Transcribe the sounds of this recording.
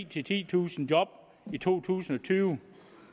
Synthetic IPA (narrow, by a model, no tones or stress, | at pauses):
t͡sʰe̝lt͡sʰḭːt͡sʰṵːsn̩djɒ̽b̥̚ | it͡sʰo̝̰ːt͡sʰṵːsn̩ɒ̽t͡sʰyːʊ